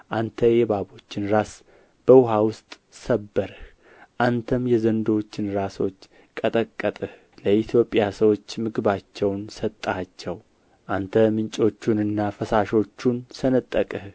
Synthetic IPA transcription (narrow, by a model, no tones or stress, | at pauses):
ʔant̪ʰəjɛbabo̞t͡ʃːɪnɾas | b̥əwʊɦawʊst̪ʼ | səbːəɾɨh | ʔant̪ʰəmjɛzənd̪ot͡ʃːɪnɾaso̞t͡ʃː | kʼət̪ʼəkʼːət̪ʼɨh | ləit̪ʰjo̞pʼjasəwo̞t͡ʃːmɨɡɨbat͡ʃːɛwnsət̪ʼːat͡ʃːɛw | ʔant̪ʰəmɨnt͡ʃʼo̞t͡ʃːunɨnːafəsaʃo̞t͡ʃːunsənət̪ʼːəkʼɨh